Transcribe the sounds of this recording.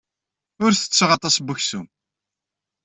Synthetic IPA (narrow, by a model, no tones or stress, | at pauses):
ʊɾθə̥t͡sːʁɑt̪ˤɑsbuçsum